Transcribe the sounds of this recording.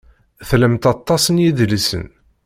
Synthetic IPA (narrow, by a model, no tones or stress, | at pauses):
θləmt̪ɑt̪ˤːɑsənjiðlisə̰n